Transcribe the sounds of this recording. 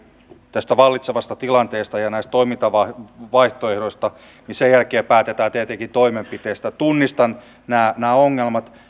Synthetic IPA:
t̪æst̪æʋɑlːit̪seʋɑst̪ɑt̪ilɑnt̪eːst̪ɑjɑnæist̪t̪oimint̪ɑʋɑʋɑiht̪oehdoist̪ɑ | nisejælkeːpæːt̪et̪æːt̪iæt̪eŋkit̪oimempit̪eːst̪æt̪unːist̪ɑn | næːnæːoŋːelmɑt̪

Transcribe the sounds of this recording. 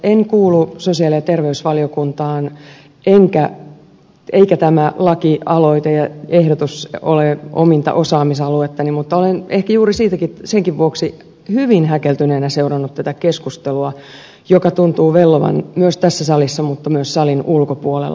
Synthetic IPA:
eŋkuːlusosiɑlijɑt̪erʋeysʋɑliokunt̪ɑːn | ʔeŋkæ | eikæt̪æmælɑkiɑloit̪ejɑehɾot̪uso̰leo̰mint̪ɑ̰ʔosɑːmisɑluet̪ːɑnimut̪ːɑolenehkæjuːɾisiːt̪ækiseŋkiʋʋuoksi | hyʋinhækelt̪yneːnæseurɑnːut̪t̪æt̪ækeskust̪eluɑ | jokɑt̪unt̪uːʋelːoʋɑ̰nmyøst̪æsːæsɑlisːɑmut̪ːɑmyøssɑlinʔulkopuolḛlː

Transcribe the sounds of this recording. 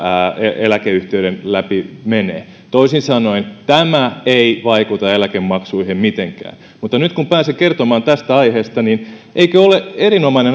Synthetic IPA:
eḛlækeyht̪eyɾenlæpimenḛː | t̪oisinsɑnoint̪æmæeiʋɑikut̪ɑelækemːɑksuihemmit̪eŋkæ̰ːn | mut̪ːɑnyt̪kumpæːsekert̪omɑːnt̪æst̪æɑiheːst̪ɑninʔeikøoleʔerinomɑinen

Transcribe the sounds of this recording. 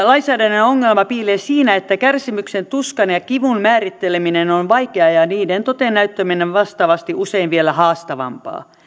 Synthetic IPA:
lɑinsæːdænːenoŋːelmɑpiːleːsiːnæet̪ːækærsimyksent̪uskɑnjɑkiʋunmæːrit̪ːeleminenonʋɑikeɑjɑniːdent̪ot̪ennæyt̪ːømineʋʋɑst̪ɑʋɑst̪iʔuseinʋielæhɑːst̪ɑʋɑ̰mpɑ̰ː

